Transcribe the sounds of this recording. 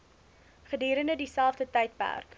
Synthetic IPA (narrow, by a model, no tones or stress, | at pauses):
χədiːɾəndədisælˠfdətəjt̚pæ̰rk